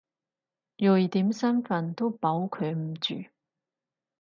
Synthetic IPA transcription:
jɔ˨jt̪iː˨˥msɐ˥nfɐ˨nt̪o˥wpɐ˨˥wkʰɵ˨˧ɥm̩˨˩t͡ʃy̰ː˨

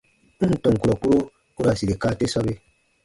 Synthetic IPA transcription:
n̩˦n̩˨tɔ̃˨ŋ˨ku˨ɾɔ˨ku˦ɾo˦ | ku˦ɾa˨si˨ɾe˨kaː˦te˦sɔ˦be˦

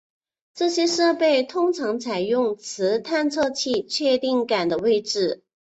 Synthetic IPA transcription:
ʈ͡ʂɤ˥˩ɕjɛ˥ʂɤ˥˧pe˥˩ɪt̪ʰʊ˥ŋʈ͡ʂʰɑ˧˥ŋt͡sʰa˨˩ɪjʊ˥˩ŋt͡sʰɹ̩˧˥t̪ʰa˥˧nt͡sʰɤ˥˧t͡ɕʰi˥˧t͡ɕʰɥɛ˥˧t̪i˥˩ŋka˨˩nd̪ə˦we˥˧ɪʈ͡ʂɻ̩˥˩

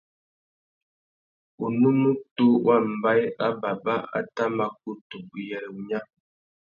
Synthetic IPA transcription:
u˨nu˦nu˦tu˦wa˦˨m̩˨ba˦ja˦ba˨ba˦ʔa̰˦ta˦ma˨k̚u˦tu˨bu˨jɛ˨ɾɛ˨u˨ɲa˦

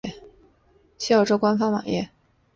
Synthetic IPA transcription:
ɛ˥˩ | ɕi˥˩jɑ˥˩ʊʈ͡ʂo˥ʊkwa˥nfɑ˥ŋwa̰˨˩ŋjɛ̰˥˩

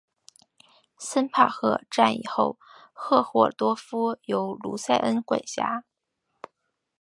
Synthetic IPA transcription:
sə˥npʰa˥˩xɤ˥˧ʈ͡ʂa˥˩nḭ˨˩xo˥˧ʊ | xɤ˥˧xwɔ˥˩t̪wɔ˥fu˥jo˧˥ʊlṵ˧˥sa˥˩ɪʔə˥nkwe˨˩ɪɕja˥

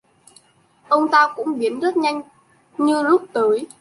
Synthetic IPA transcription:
ʔə˧wŋ͡mt̪aː˧kʊ̰˧˥ŋ͡mɓi˨˦ənzə˦˥t̚ɲa˧jŋ̟ | ɲɨ˧zʊ˦˥k͡p̚t̪əː˨˦j

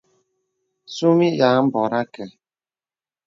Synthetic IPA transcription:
su˦mi˦ja˨m̩˦bɔ˨ɾa˦kɛ˨

